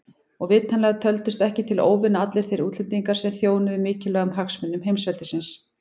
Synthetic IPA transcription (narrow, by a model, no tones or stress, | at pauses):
ɔɣvɪːt̪ʰanlɛɣat̪ʰœlt̪ʏst̪ɛhcɪt̪ʰɪlo̰ːwvɪnaat̪lɪɾ̥θejɾuːt̪lɪnt̪iŋkaɾ̥sɛmθjoːwnʏðɪmɪːcɪlœːɣʏmɦaksmɪnːʏmɦejmsvɛlt̪ɪsɪns